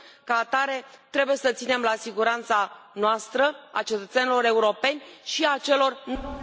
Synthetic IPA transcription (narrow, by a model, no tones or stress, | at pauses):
kaːt̪aɾe̞t̪ɾe̞buje̞sət̪sine̞mlasiɡuɾant̪sanoast̪ɾəa̰t͡ʃe̞t̪ət̪senilo̞ɾe̞uɾo̞pe̞nʲʃiat͡ʃe̞lo̞rn